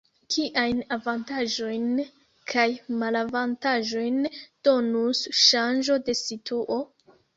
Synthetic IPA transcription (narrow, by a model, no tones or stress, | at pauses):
kʰiʔajnavantaʒo̞jn | kʰajmalavantaʒo̞jnd̥o̞nusʃand͡ʒo̞de̞sitʰuʔo̞